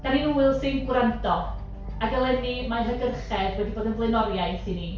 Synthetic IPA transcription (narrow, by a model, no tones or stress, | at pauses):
d̥aniuːɨlˠsɪnɡwrandɔ | aɡɛlˠɛnimanɦəɡərχɛdwɛdiboːdənvlˠɛnɔɾjajsini